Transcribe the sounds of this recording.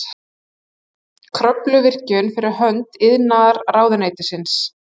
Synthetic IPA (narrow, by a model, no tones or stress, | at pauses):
kʰɾœplʏvɪr̥cʏnfɪɾɪɾ̥ɦœnt̪ɪðnaðaɾraːwðʏneːjt̪ɪsɪns